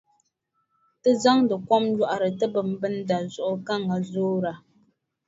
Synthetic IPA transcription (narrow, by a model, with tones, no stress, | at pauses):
tɨ˦za˦ŋdə˨kɔ˦mja˦ʔa˨ɾə˨tə˦bɨ˨m̩˦bɨ˦n̩˦da˨zɔ˨ʔʊ˨ka˦˨ŋa˨zoː˦ɾa˨